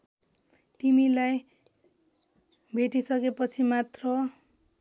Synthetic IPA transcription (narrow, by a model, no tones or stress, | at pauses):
t̪imilaj | bʱeʈisʌkepʌt͡sʰimat̪rʌ